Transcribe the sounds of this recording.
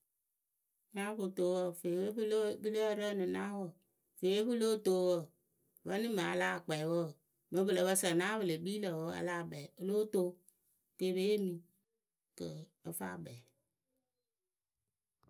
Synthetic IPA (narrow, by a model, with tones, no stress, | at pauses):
na˦βu˨to˨˦wɔ˦fe˨wlbi˦lo˦ɾə˦nɨ˨na˦wɔ˨ | fe˨we˦βu˦lo˦to˦wɔ˨ | βə˦ni˦ma˨a̰˨la˦˨k͡pɛ˨wɔ˦˨ | mə˦bɨ˨lə˨βə˦sa˨na˦βɨ˨le˨bi˦lə˨wɔ˦a̰˦la˦˨bɛ˨˦lo˦to˦ | ke˦˨be˦e˦mĩ˨ | kə˨ | ə˦fa̰˦˨bɛ˨